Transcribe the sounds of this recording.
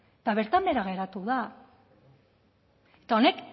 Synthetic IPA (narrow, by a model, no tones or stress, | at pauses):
et̪aβ̞e̞ɾt̪ambe̞ɾaɣ̞e̞ɾat̪uða | et̪ao̞ne̞k